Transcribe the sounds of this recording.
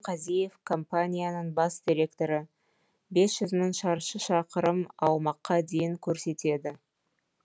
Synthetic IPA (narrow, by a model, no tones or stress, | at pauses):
qʰɑzije̞fkʰo̞mpanʲijanəɴbɑsd̪̥ʲiɾʲe̞kt̪o̞ɾə | be̞sʒ̥ʏzməɴʃɑɾʃəʃɑqəɾəmɑwmɑqːɑd̪e̞jɪŋkʲʰɵɾse̞t̪e̞d̪ɪ